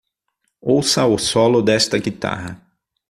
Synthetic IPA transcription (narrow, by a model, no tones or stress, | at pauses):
owsɐʊsɔlʊd̪ɛst̪ɐɡit̪a̰ɦɐ